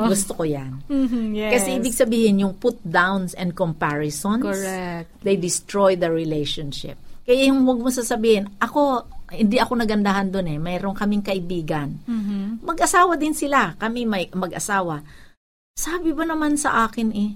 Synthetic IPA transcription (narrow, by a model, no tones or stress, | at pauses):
ɡʊst̪okojankɐsɛʔiːbɪɡ̚sɐbiːhɪnjʊŋpʊt̪̚d̪awnsɛn̚kompaɹɪsonsɛ | d̪ejd̪ɪst̪ɹojd̪ɐɹɪlɛjʃonʃɪ̰p̚kɐjaŋwɐɡ̚mɐs̬aːsɐbiːhɪnʔɐko̞hɪnd̪iʔɐko̞nɐɡɐnd̪aɦand̪onɛmɛːɾoŋkɐmɪŋkɐʔɪbiːɡɐnmɐɡʔɐsaːwɐd̪ɪnsɪlakɐmimɐjmɐɡʔɐsaːwɐ | saːbɪbɐnɐmansɐʔaːkɪnʔɛ